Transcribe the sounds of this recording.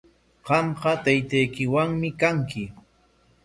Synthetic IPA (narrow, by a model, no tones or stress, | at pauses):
ɢɑmɢɑt̪ajt̪ajkɪwaŋmɪkaŋkɪ